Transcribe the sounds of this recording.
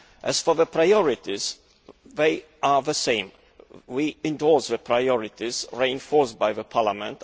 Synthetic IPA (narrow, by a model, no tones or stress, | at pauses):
ʔæsfɔðəpʰɹaɪɔɹɪt̪ɪz | ðeɪ | əðəsẽɪ̃m | wiɪ̃nd̪ɔɹsðəpʰɹaɪɔɹɪt̪ɪzɹiɪ̃nfɔɹstbaɪðəpʰɑlamə̰̃nt̪